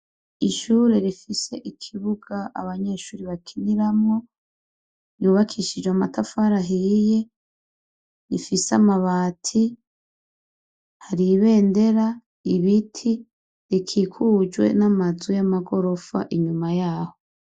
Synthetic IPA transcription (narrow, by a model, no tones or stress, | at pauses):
iʃuːɾe̞ɾifise̞ʔikʰiβuɡ̥aʔa̰βaɲe̞ʃuːɾiβakʰiniɾamŋo̞ | juːβakʰiʃid͡ʒwamatafaɾaɦije | ɾifisamaβaːtʰi | haɾiβe̞ːnde̞ɾa | iβitʰi | ɾikʰikʰud͡ʒwe̞̰namazwijamaɡo̞ɾo̞fa̰ʔiɲumajaːho